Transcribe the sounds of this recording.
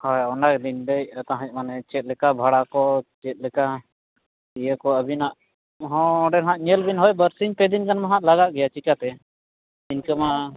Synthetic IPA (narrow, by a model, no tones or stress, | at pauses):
hɔjɔnakd̪indejət̪ãɦɛc̪̚ˀmanɛt͡ʃɛt̪̚lɛkabʱaɽakɔt͡ʃɛt̪̚lɛka | ijəkɔəbinaʔ | ɦɔ̃ɖɛnɦãʔɲɛlbinɦɔjbəɾsiɲpɛd̪inkanmaɦaʔlaɡaʔɡɛjat͡ʃikat̪ɛ | inkəma